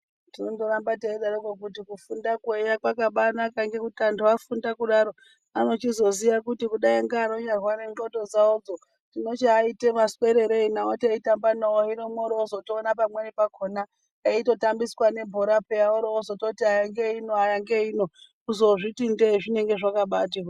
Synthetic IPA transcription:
tinondoɾambateiɗaɾokokut̬ikufundakejakwakaɓanakaŋɡe̞kutantuafundakuɗaɾo̞ | ano̞t͡ʃizo̞ziʋakutikuɗaiŋɡaːɾo̞ɲarwane̞nɡoto̞d͡zaod͡zo | tino̞t͡ʃeaitemaswe̞ɾe̞ɾeinaoteitambanaoinomwoɾozotoːnapamwenepakʰona | eito̞tambiswane̞bʱoɾapejaoɾoozo̞to̞tiajaŋɡe̞ino̞ajaŋɡe̞ino̞ | uzo̞ʐitindeiʐine̞ŋɡe̞ʐakaɓatia

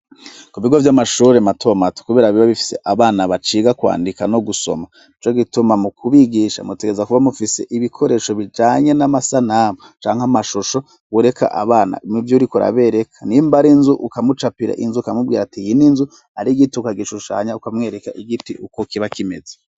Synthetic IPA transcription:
kuβiɡo̞vjamaʃuːɾematʰo̞mato̥kuβe̞ːɾaβiβaβifi̥se̞̰ʔaβaːnaβat͡ʃiːɡakwa̰ːndikano̞ɡuso̞̰ma | it͡ʃo̞ɡitumamukuβiɡiʃa̰muteɡezakuβamufise̞ʔiβikʰo̞ɾe̞ʃo̞βid͡ʒaːɲe̞namasanaːmot͡ʃaːŋhamaʃoʃo̞ | wuɾe̞kʰa̰ʔa̰βaːna̰mivjuɾikuɾa̰βe̞ɾe̞kʰanimbaɾinzuʔukamut͡ʃapiɾa̰ʔinzuukamub̚ɡiːɾatijininzu | aɾiɡitiukaɡiʃuʃa̰ːɲaukamŋe̞ːɾe̞kaʔiɡitiʔukokiβakime̞ze̥

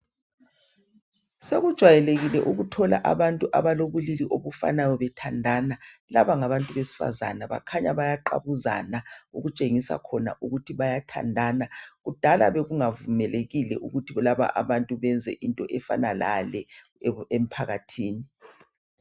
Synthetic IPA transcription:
seɣud̥ʒ̥ʱwajɛleɣilɛʔuɣutʰɔla̰ʔaβantʼuʔaβaloβuliliʔoβufa̰najɔβɛtʰandʱanalaβaŋaβantʼuβesi̥fa̰za̰naβa̰kʰaɲaβajaǃa̰βuza̰naṵɣut͡ʃʼeŋisa̰kʰɔna̰ʔuɣutʰiβajatʰa̰ndʱaːnaɣud̥ʱala̰βeɣuŋavumɛleɣilɛʔuɣutʰiβɔlaβa̰ʔaβantʼuβɛnd͡zʱɛ̰ʔintʼɔʔɛfa̰nala̰lɛ | em̩pʰaɣatʰiːni

